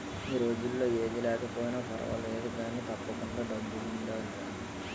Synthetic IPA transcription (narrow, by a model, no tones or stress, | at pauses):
iːɾo̞ːd͡ʒulːo̞ːeːd̪ilɛːkɐpoːjinaːpʰɐ̰ɾɐ̰ʋɐ̰leːd̪ud̪aːnːit̪ɐpːɐkuɳɖaːɖɐbːuludaːɐɳʈaː